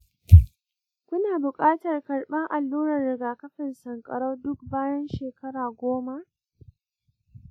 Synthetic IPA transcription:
kʷʊ˦naː˨bʊ˨kʼaː˦tɐ˨rkɐ˨rɓɐ˦ŋʔa˨lːuː˦ɾɐ˨rːɪ˨ɡaː˨kɐ˦ɸɪ˨nsɐ˨ŋkʼɐ̰˨ɽɐ˦dʊ˦k̚baː˦jɐ˦nʃeː˨kɐ˦ɽaː˨ɡʷoː˦ma˦ʔ

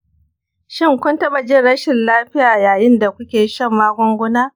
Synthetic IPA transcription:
ʃɪ˦ŋkʷʊ˦ntɐ˦bɐ˨d͡ʒɪ˦ɽɐ˦ʃɪ˨nlaː˦ɸɪ˦jaː˨jaː˨jɪ˦nda˨kʷʊ˦kʲeː˨˦ʃɐ˦˨mːaː˦ɡʷɔ˦ŋɡʷʊ˦naː˦

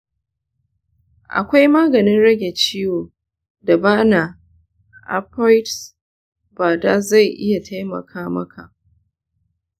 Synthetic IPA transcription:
ʔa̰˨kʷa˦jmaː˦ɡɐ˨nɪ˦nɽɐ˦ɡʲe˨t͡ʃiː˦woː˨ | da˨baː˦na˨ | ʔa̰˦pːɔ˦jts | baː˨da˦za˦˨jʔɪ˦ja˨ta˦jmɐ̰˨kʰaː˦mɐ̰˦kʰa̰˨ʔ

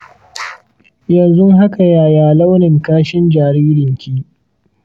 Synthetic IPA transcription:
jɐ˨nzʊ˦ŋɦa˦ka˨jaː˦jaː˨lɐ˦wnɪ˨ŋkaː˦ʃɪ˦nd͡ʒaː˨ɾiː˦ɾɪ˨ŋkʲiː˦

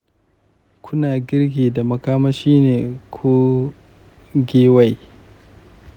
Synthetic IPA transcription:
kʰʊ˦naː˨ɡʲɪ˦rɡʲeː˨da˨mɐ˨kaː˦mɐ˦ʃiː˦neː˨kʰoː˦ | ɡʲeː˦wa˦˨j

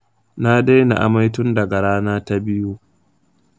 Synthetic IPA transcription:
na˦de˦jna̰˨ʔa̰˨ma˦jtʊ˦ndɐ˨ɡa˨ɽaː˦naː˦ta˦bɪ˦juː˦

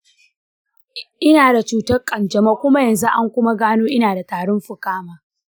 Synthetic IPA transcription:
ʔɪ˦naː˨da˨t͡ʃuː˦tɐ˦rkʼɐ˨nd͡ʒɐ˨maː˦kʷʊ˦ma˦jɐ˨nzu˦ʔa˦ŋkʷʊ˦ma˦ɡaː˦noː˦ʔɪ˦naː˨da˨taː˨ɽɔ˦mɸʊ˨kaː˦maː˨

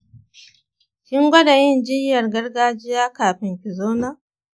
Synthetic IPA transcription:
kʲɪ˦ŋɡʷɐ˦da˨jɪ˦˨nd͡ʒɪ˦jːɐ˨rɡɐ˦rɡaː˦d͡ʒɪ˦jaː˦kaː˨ɸɪ˨mɸɪ˨zoː˦naː˦

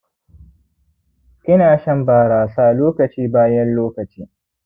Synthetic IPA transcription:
kʲɪ˦naː˨ʃɐ˦mbaː˨ɽaː˨saː˦˨loː˦kɐ˨t͡ʃiː˦baː˦jɐ˦nloː˦kɐ˨t͡ʃiː˦

